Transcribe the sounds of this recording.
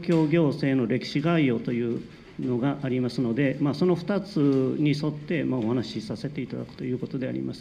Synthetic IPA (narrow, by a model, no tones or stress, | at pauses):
kʲo̞ːɡʲo̞ːse̞ːno̞ɾe̞kʲi̥ɕiɡaio̞t̪o̞jɯ̟ː | no̞ɡaʔːɾʲimasɨno̞d̪e̞maso̞no̞ɸɯ̥t̪at͡sɨɲ̟iso̞t̪ːe̞mao̞hanaɕisase̞t̪e̞it̪ad̪a̰kɯ̟̥t̪o̞jɯ̟ːko̞t̪o̞d̪e̞a̰ɾʲḭmasɨ̥